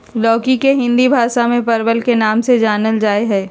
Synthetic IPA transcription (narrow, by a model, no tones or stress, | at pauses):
lɔːkikeɦɪ̃nd̪ibʱaːʃamẽpɐɾbəlkenaːmsed͡ʒaːnəld͡ʒaːeɦɛː